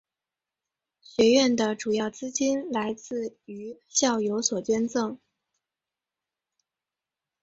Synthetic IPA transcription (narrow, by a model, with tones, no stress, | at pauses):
ɕɥɛ˧˥ɥɛ˥˩nd̪ə˩ʈ͡ʂu˨˩jɑ˥˩ʊt͡sɹ̩˥t͡ɕi˥nla˧˥ɪt͡sɹ̩˥˩y˧˥ɕjɑ˥˩ʊjo˧˥ʊswɔ˨˩t͡ɕɥɛ˥nt͡sɤ˥˩ŋ